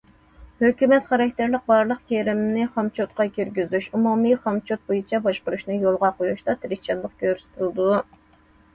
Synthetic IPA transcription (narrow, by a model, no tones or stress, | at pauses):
høkʲymɛt̪χɑɾɑk̚ʲt̪ʰæɾlɪq̚bɑɾlˠəqkʲʰeɾɪmnɪχɑmt͡ʃʰot̪qɑkʲyɾɡʲyzyʃumumɨχɑmt͡ʃʰot̪̚bojut͡ʃʰɛbɑʃqʊɾuʃnɨjolˠʁɑqojuʃd̪ɑt̪ʰɪɾɪst͡ʃʰɑnlˠəq̚kʲøɾsɪ̥t̪ʰɪlˠd̪u